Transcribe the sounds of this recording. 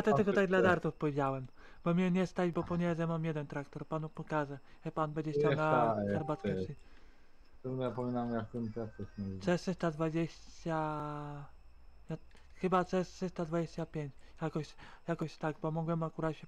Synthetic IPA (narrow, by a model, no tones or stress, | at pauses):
jat̪ɔt̪ɪlkɔt̪aɡ̚d̪lad̪aɾt̪ufpɔvʲjed͡ʑawɛm | b̥ɔmʲɲɛɲɛst̪ad͡ʑbɔpɔɲɛzɛmamjɛd̪ɛnt̪ɾakt̪ɔɾpanupɔkaʐɛʐɛpanbɛɲd͡ʑɛɕt͡ɕawnaaxɛɾbat̪sɛsi | t̪ɛnapɔmʲinamjakt̪ɛmt̪at̪ɛsnɛt͡sɛʂɘst̪ad̪vad͡ʑeɕt͡ɕt͡ɕa | ja | xɘbat̪sɛsʂɛst̪ad̪vad͡ʑeɕt͡ɕapʲjeɲt͡ɕjakɔɕjakɔɕt̪aɡbɔmɔɡwɛmakuɾat̪ɕɛ